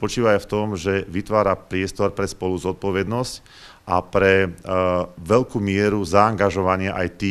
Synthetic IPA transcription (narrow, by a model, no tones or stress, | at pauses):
pɔt͡ʃiːʋaft̪ɔmʒɛʋit̪ʋaːɾapɾɪɛst̪ɔɾpɾɛspɔluzɔt̪̚pɔʋɛd̪nɔsc | ʔapɾɛ | ʋɛʎkuːmɪɛɾuzaːŋɡaʒɔʋaɲɪaʔajt̪iː